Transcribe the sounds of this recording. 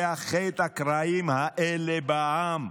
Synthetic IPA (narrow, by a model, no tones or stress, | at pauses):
axejt̪akɾaːimɦaʔelebaaːm